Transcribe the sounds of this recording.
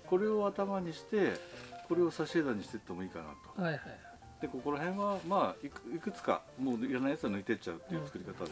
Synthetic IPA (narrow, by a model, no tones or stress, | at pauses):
ko̞ɾe̞o̞at̪amaɲ̟iɕi̥t̪e̞ko̞ɾe̞o̞saɕeːd̪ãɲ̟iɕi̥t̪e̞̥t̪ːe̞mo̞iːka̰na̰t̪o̞̥ | d̪̥e̞ko̞ko̞ɾaɦẽ̞ɰ̃βamaːikikɯ̟t͡sɨ̥ka̰moːiɾanaijat͡sɨɡanɯ̟it̪e̞t͡ɕaɯ̟t̪ːe̞iɯ̟t͡sɨ̥kɯ̟ɾʲikat̪a